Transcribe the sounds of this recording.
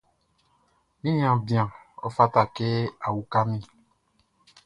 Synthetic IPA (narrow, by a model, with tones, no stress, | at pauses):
nĩ˦ɲã˨bĩ˨ã˨ɔ̰˦fa˦ta˨kɛ˦a˨wu˨ka˦mĩ˦